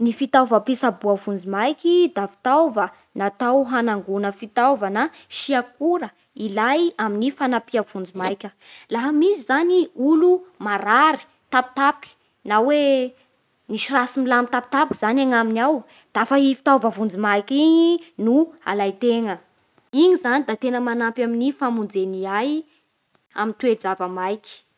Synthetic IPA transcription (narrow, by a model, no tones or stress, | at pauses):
nifit̪avəpisabuavund͡zimajkʲid̪afi̥t̪awvə | nat̪awɦanaŋɡunəfit̪awvəna | ʃiakuɾə | ilajaminifanapiav̥und͡zimajkʲə | laɦamizizaniulumaɾaɾi̥ | t̪api̥t̪api̥ki̥ | nawe | niʃrasimilamit̪api̥t̪apkiz̥anaŋaminaw | d̪̥afaifi̥t̪avavund͡zimajkʲiɲinua̰lajt̪eŋə | iŋizanid̪at̪enəmanampjaminifamund͡zeniaj | amint̪wed͡ʒavəmajkʲi̥